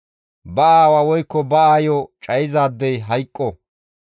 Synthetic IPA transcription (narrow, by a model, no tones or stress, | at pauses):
bɐaːwaːwɔjkːɔbɐaːjɔt͡ʃʼɐjɪzaːd̪ːɛjɦɐjkʼːɔ